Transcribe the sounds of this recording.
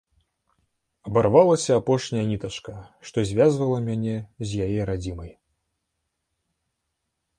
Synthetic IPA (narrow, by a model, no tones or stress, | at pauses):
ɐbarvalˠɐsʲɐːpɔʂnʲɐjɐnʲit̪ɐʂkɐʂt̪ɔzʲvʲazvɐlˠɐmʲanʲɛzʲjajɛɾad͡zʲimɐj